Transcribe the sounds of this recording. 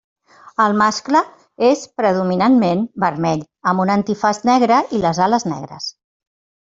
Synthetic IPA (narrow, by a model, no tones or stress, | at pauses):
əlˠmasklə | espɾəðuminanmenbəɾmɛʎ | əmbunənt̪ifaznɛɣɾəiləzaləznɛ̰ɣɾə̰s